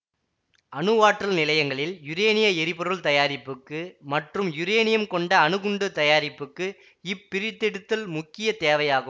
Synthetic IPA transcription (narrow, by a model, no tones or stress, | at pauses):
ʔɐnɯʋaːʈrɐlnɪlɐjɐŋɡɐɭɪljʊɾeːnɪjɐɛɾɪpɔɾɯɭt̪ɐjaːɾɪpːɯkːɯmɐʈrɯmjʊɾeːnɪjɐmkɔɳɖɐːnɯɣɯɳɖɯt̪ɐjaːɾɪpːɯkːɯ | ɪpːɪɾɪt̪ːɛɽɯt̪ːɐlmʊkːɪjɐt̪eːʋɐjaːɣɯm